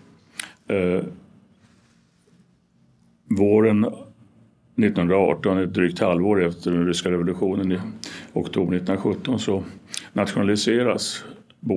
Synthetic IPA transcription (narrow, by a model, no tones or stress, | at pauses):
voːɾən | nɪt̪ːnhɵnd̪ɾaɑ̰ːʈɔnɛɛt̪̚d̪ɾyːk̚t̪ʰhalvoːɾɛft̪ʰəɖɛnɾʏskaɾɛvʊlɵɧuːnənɪɔkt̪ʰuːbəɳɪt̪ːənɾaɧɵt̪ːɔnsɔnat̪ɧʊnalɪseːɾas | b